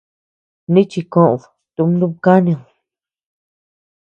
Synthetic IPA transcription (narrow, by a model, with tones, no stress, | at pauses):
nĩ˦t͡ʃi˧kõ˦ʔo˨ | t̪u˧˦m˧˦d̪ũ˦βka˦nĩ˧õ˨